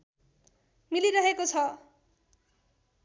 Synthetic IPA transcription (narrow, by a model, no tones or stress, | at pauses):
miliɾʌɦekot͡sʰʌ